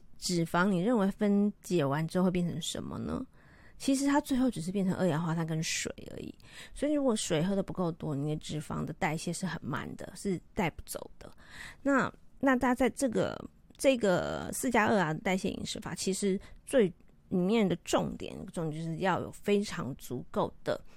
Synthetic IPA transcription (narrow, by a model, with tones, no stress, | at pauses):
ʈ͡ʂɻ̩˨˩fɑ˧˥ŋni˨˩ɻə˥˩nwe˧˥ɪfə˥nt͡ɕjɛ˨˥˩wa˧˥nʈ͡ʂɻ̩˧˥xwe˥˧ɪjɛ˥˩nʈ͡ʂʰə˧˥ŋʂə̰˧˥nmə̰˧nə̰˧ | t͡ɕʰi˧˥ʂ̬ɻ̩˧˥t̪ʰa˥t͡swe˥˧xo˥˩ʊʈ͡ʂ̩˨˩ʂ̬ɻ̩˥p̬jɛ˥˩nʈ͡ʂʰə˧˦ŋʔɤ̰˥˩jɛ˧˥nxwa˥˩t̪ʰa˥k̬ə˥nʂwḛ˨˩ɪʔə̰˧˥ḭ˨˩˦swɔ˧˥i˨˩ɻu˧˥kwɔ˧˩ʂwe˨˩ɪxɤ˥˩d̪ə˩pu˧˥ko˥˩ʊt̪wɔ˥ni˨˩ə˧˦ʈ͡ʂɻ̩˨˩fɑ̰˧˥ŋd̪ə˨t̪a˥˧ɪɕjɛ˥˧ʂɻ̩˥˩xə˨˩nma̰˥˩nd̪ə̰˨ʂɻ̩˥˧t̪a˥˧ɪpu˥˩t͡so˨˩ʊd̪̥ə̰˦na˥˧na˥˧t̪a˥˧t͡sa˥˧ɪʈ͡ʂɤ˥˩ɡə̰˩ | ʈ͡ʂɤ˥˩˥ɡə̰˩sɹ̩˥˩t͡ɕja˥ə̰˥˩a˩˨t̪a˥˧ɪɕjɛ̰˥˩ḭ˨˩ŋʂɻ̩˥˩fa̰˨˩t͡ɕʰi˧˥ʂɻ̩˧˥t͡swe˥˩ɪ | li˨˩mjɛ˥˩nd̪ə˩ʈ͡ʂʊ˥˩ŋt̪jɛ̰˨˩n̰˥˧ɡə˧ʈ͡ʂo˥˧ŋt̪ʂɻ̩˥˧jɑ˥˩ʊjo̰˨˩ʊfe˥ɪʈ͡ʂʰɑ̰˧˥ŋt͡su˧˥ko˥˩ʊd̪ə̰˩